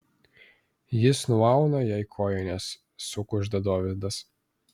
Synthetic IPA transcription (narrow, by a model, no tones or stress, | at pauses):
jɪsnʊɑˑʊnɐjɛɪkʰoːjɛnʲesː | ʊkʊʒd̪ɐd̪oːʋʲɪd̪ɐs